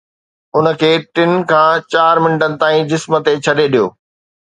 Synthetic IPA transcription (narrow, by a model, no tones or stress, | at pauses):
ʊnə̆kʰeːʈɪn̆kʰãːt͡ɕaːɾmɪ̃ɳʈənɪ̆t̪aːĩd͡ʑɪsmə̆t̪et͡ɕʰɐɗeɗijo̰ː